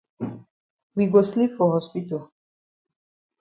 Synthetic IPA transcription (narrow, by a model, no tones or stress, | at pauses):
wiɡoslipfɔɦɔspitəl